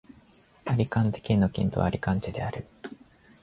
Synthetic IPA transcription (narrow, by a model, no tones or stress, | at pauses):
aɾʲikãnt̪e̥kʲinokʲḭ̃nt̪o̞aɾʲikãnt͡ɕed̪e̞̰aɾɯ̟